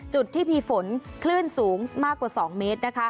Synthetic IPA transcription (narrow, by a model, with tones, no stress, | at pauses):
t͡ɕu˨˩t̪ʰːiː˥˩pʰiː˧fo˩˦nkʰlɯ˥˩ənsuː˩˦ŋmaː˥˩kːwaː˨˩sɔː˩˦ŋmeː˦˥t̪̚na˦˥kʰa˦˥